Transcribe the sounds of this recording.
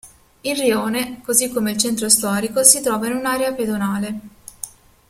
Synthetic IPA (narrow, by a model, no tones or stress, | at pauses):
ilrioːnekozikːomeilt͡ʃɛnt̪ɾost̪ɔːɾikosit̪ɾɔːvainunaːɾeaped̪onaːle